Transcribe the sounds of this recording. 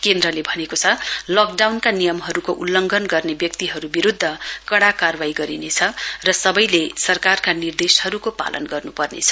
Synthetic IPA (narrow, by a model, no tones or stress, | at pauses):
kend̪rʌlebʱʌnekot͡sʰʌlʌk̚ɖawnkanijʌmɦʌɾukoʔulːʌŋɡʱʌnɡʌrnebjʌk̚t̪iɦʌɾubiɾud̪ʱːʌkʌɽakarbaiɡʌɾinet͡sʰʌrʌsʌbʌjlesʌrkarkanird̪eshʌɾukopa̰lʔʌ̰nɡʌrnupʌrnḛt͡sʰʌ̥